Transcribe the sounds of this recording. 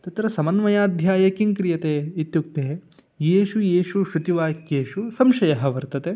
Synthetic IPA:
t̪ɐt̪ɾɐsɐmɐnmɐjaːd̪ʱjaːjɐkiŋkɾijɐt̪eːit̪juk̚t̪eː | jeːʃujeːʃuʃut̪iʋaːkjeːʃusɐmʃɐjɐɦɐʋɐɾt̪ɐt̪eː

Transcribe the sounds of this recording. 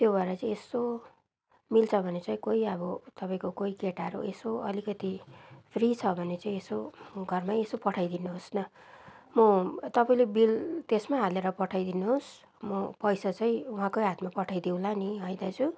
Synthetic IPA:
t̪jobʱaɾʌt͡saĩeso | milt͡sʰʌbʱʌnet͡saĩkoiʌbʌt̪ʌpaĩkokoikeʈaɾṵesoʌlikʌt̪ipʰrit͡sʰʌbʱʌnet͡saĩesoɡʱʌrmaesopʌʈʰajd̪inuɦosnʌ | mʌt̪ʌpaĩlebilt̪esmaɦaleɾʌpʌʈʰajd̪inuɦos | mʌpʌjsat͡saĩũɦãkoɦat̪mapʌʈʰajd̪iw̃laniɦʌjd̪at͡sʰu

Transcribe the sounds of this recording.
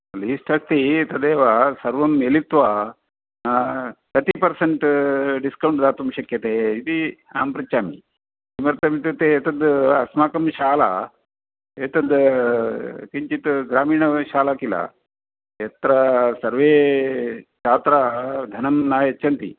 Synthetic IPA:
liːsʈɐst̪it̪ɐd̪eːʋasɐɾʋɐmːelit̪ʋa | nakɐt̪ipɐɾsɐɳʈɖiskɐwɳʈd̪aːt̪umɕɐkjɐt̪eit̪ia̰ːmpɾɐt͡ɕaːmḭ | imɐɾt̪ɐmit̪et̪eet̪ɐd̪ɐ̰smaːkɐmɕaːla̰ | et̪ɐd̪ | kiɲt͡ʃit̪ɡɾaːmiːɳɐɕaːlakila̰ | et̪ɾasɐɾʋe | t͡ʃaːt̪ɾad̪ʱɐnɐmnajet͡ʃʰɐnt̪ḭː

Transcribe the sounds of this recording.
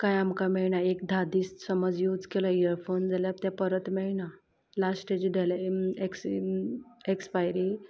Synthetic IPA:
kajamkameɭɳaek̚d̪ʱad̪iːssəməd͡zjuːd͡zkelaiəɾfond͡zaljat̪japəɾət̪meɭɳa | lasʈed͡ʑɖelaeks | ekspajɾi

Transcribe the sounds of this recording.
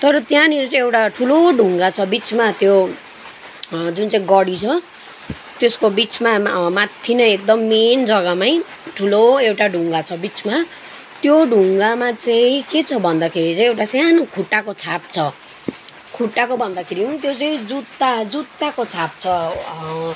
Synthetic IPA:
t̪ʌɾʌt̪jãneɾut͡saĩewʈaʈʰuloɖʱuŋɡat͡sʰʌbit͡smat̪jo | d͡zunt͡saĩɡʌɽit͡sʰʌ | t̪eskobit͡smamat̪ʰːinʌek̚d̪ʌmːend͡zʌɡamaj̃ | ʈʰuloewʈaɖʱuŋɡat͡sʰʌbit͡sma | t̪joɖʱuŋɡamat͡saĩket͡sʰʌbʱʌnd̪akʰeɾit͡saĩewʈasjanokʰuʈːakot͡sʰap̚t͡sʰʌ | kʰuʈːakobʱʌnd̪akʰeɾiũt̪jot͡saĩd͡zut̪ːad͡zut̪ːakot͡sʰap̚t͡sʰʌ

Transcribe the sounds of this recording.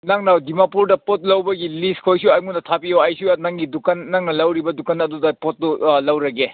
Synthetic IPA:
naŋnawdimapuɾdɐpot̚lɐwbɐɡilistkʰojsuajmunɐtʰapioɐjsianaŋɡidukɐnːaŋnɐlɐwɾibɐdukɐnɐdudɐpot̚dulɐwɾɐɡe

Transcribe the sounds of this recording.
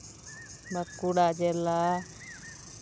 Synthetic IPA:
maɾkuɽad͡ʒɛla

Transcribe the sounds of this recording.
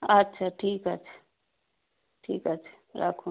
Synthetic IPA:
ɐtːʃʰaʈʰiːkətːt͡ʃʰḁ | ʈʰiːkət͡ʃʰḁ | ɾa̰kʰũ

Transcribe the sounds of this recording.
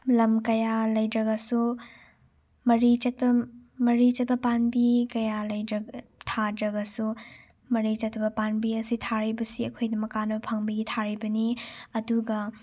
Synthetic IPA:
lɐmkɐjalɐjdɾɐɡɐsu | mɐɾit͡ʃɐt̚bɐmɐɾit͡ʃɐt̚pɐpanbikɐjalɐjɾɐɡtʰadɾɐɡɐsu | mɐɾit͡ʃɐtʰːɐbɐpanbiɐsitʰaɾibɐsiɐkʰojdɐmɐkːanɐbɐpʰɐŋbɐɡitʰaɾibɐniɐduɡɐ

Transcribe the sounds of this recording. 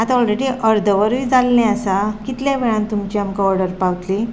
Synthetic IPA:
at̪aɔlɾeɽiʔəɾd̪ʱəʋəɾʋiːd͡zalːẽasakit̪ljaʋeɭãnt̪umt͡ɕiamkaɔɾɽəɾpawt̪li

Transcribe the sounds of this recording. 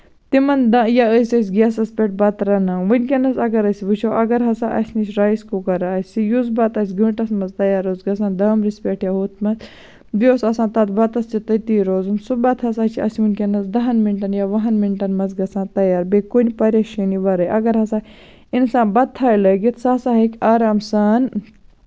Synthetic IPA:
t̪imɐnd̪ɐjaəsʲɐs̬ʲɡʲasɐspʲeʈ̚bɐt̪ɾɐnaːʋɨnʲkʲɐnɐsɐɡɐɾɐsʲibɨt͡ʃʰowʔɐɡɐɾɦɐsãːʔɐ̰sʲnit͡ʃɾaːjskokɐɾaːsijuzbɐt̪ɐs̬ʲɡɨɳʈɐsmɐzt̪ɐjaːɾoːzɡɐsãːnd̪ɐːmɾispʲeʈjaɦoːt̪mɐz | bʲioːsɐsãːt̪ɐt̪ʰbɐt̪ɐst͡ʃit̪ɐt̪iːɾoːzumsubɐt̪ʰɦɐsaːt͡ʃʰiɐ̰simunʲkʲenɐzd̪ɐɦɐnmiɳʈɐnjaːʋɐɦɐnminʈɐnmɐzɡɐsãːnt̪ɐjaːɾbekonʲipɐɾʲɐʃɐniʋɐɾɐjʔɐɡɐɾɦɐsaː | insãːbɐt̪ʰːaːjlɐɡit̪ʰsaːsaːɦɐkʲaːɾaːmsaːn

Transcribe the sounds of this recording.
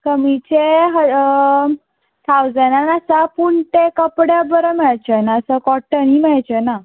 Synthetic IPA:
kəmit͡ɕeɦə | t̪ʰawd͡zənanasapuɳʈekəpɽjabəɾəmɛɭt͡ɕenaəsəkɔʈənɦimɛɭt͡ɕəna

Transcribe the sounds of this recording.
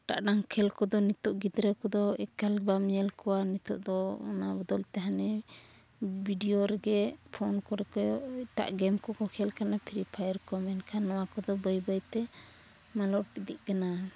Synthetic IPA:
ʈa̰ʔɖaŋkʰɛlkɔd̪ɔnit̪ɔʔɡid̪ɾɛkɔd̪ɔɛ̰kalbamjɛlkɔwanit̪ɔʔd̪ɔɔ̰nabɔd̪ɔlt̪ɛɦanɛ | bʱiɖijoɾɛɡɛpʰɔnkɔɾɛkɔit̪a̰ʔɡɛmkɔkɔkʰɛlkanapʰiɾipʰajəɾkɔmɛnkʰanːɔwakɔd̪ɔbəjbəjt̪ɛ | malɔʈid̪ḭʔ̚kana

